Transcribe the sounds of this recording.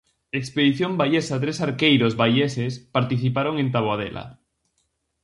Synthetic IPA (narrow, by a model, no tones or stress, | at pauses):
ekspeðiθjõmbaʎesat̪ɾesaɾkejɾozβajesespaɾt̪iθipaɾoŋent̪aβ̞oað̞ḛlʔa̰